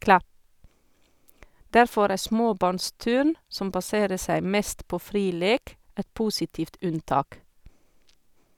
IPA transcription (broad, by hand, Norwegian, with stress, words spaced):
ˈdæɾfɔɾ ˈæː ˈsmoːˌbɑːɳˌstʉːɳ ˈsɔm bɑˈseːɾə ˈsæɪ ˈmɛst ˈpoː ˈfɾiː ˈleːk ˈɛt ˈpuːsɪtiːft ˈʉnˌtɑːk